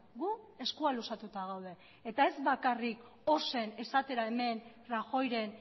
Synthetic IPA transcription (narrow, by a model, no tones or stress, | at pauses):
ɡue̞skualusat̪ut̪aɣ̞awðe̞ː | t̪ae̞zβakarik | o̞se̞ne̞sat̪e̞ɾae̞me̞n | raxo̞jɾe̞n